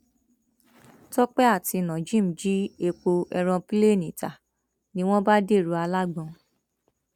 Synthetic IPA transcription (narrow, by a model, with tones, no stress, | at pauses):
tɔ˦k͡pɛ˦a˦˨ti˧˨nã˨d͡ʒĩ˦m̩˨˦d͡ʒi˦e˧k͡po˧ʔɛ˧ɾ̃ɔ̃˧pi˦le˦˨nĩ˨ta̰˨ | nĩ˦w̃ɔ̃˦ba˦de˦˨ɾu˨˧a˧la˦ɡ͡bɔ̃˧